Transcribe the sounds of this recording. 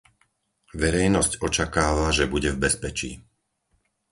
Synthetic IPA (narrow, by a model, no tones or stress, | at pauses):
ʋɛɾɛjnɔscɔt͡ʃakaːʋaʒɛbuɟɛvbɛspɛt͡ʃḭː